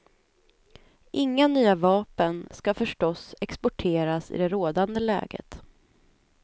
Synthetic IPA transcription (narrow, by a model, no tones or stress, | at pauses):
ʔɪŋːanyːavɑːpənskafœʂʈɔsɛkspɔʈʰeːɾasɪ̰d̪ɛɾoːd̪and̪əlɛ̰ːɡə̰t̪